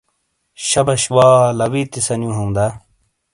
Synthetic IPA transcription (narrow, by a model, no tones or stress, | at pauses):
ɕɐbɐɕwaːlɐwit̪isɐnjũɦɐũd̪a